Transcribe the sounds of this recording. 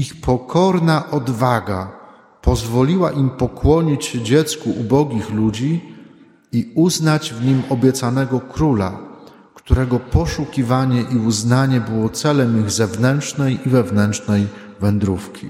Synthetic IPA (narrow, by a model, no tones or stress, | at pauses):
ixpʰɔkʰɔɾnaʔɔd̪vaɡa | pɔzvɔlʲiwaʔimpɔkwɔɲit͡ɕd͡ʑɛt̪skuʔubɔɡʲixlud͡ʑi | iuznad͡ʑvɲimɔbʲjɛt̪sanɛɡɔkɾula̰ | kt̪uɾɛɡɔpɔʂukʲivaɲɛʔiuznaɲɛbɘwɔt̪sɛlɛmiɣzɛvnɛntʂnɛjivɛvnɛntt͡ʂnɛj | vɛnd̪ɾufkʲi